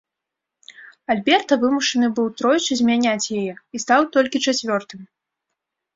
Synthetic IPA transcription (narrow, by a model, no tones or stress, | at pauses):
alʲbʲɛrt̪ɐvɨmuʂɐnɨbɨwt̪ɾɔjt͡sʲuzʲmʲanʲat͡sʲjajɛist̪awt̪ɔlʲkʲit͡ʂat͡sʲvʲɔrt̪ɨm